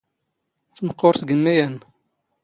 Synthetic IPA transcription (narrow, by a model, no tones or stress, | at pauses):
t͡sːməqːoɾθɡənmæjæn